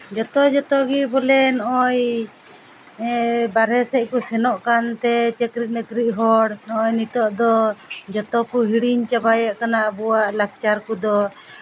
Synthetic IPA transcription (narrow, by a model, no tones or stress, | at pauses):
d͡ʒɔt̪ɔd͡ʒɔt̪ɔɡibɔlɛnɔʔɔj | baɾɦɛsɛc̚kusɛnɔʔkant̪ɛt͡ʃɛkɾiʔ̚nɛkɾiʔ̚ɦɔɽnɔʔɔjnit̪ɔʔd̪ɔd͡ʒɔt̪ɔkuɦiɽiɲt͡ʃabajaʔkanaʔbɔwaʔlak̚t͡ʃaɾkud̪ɔ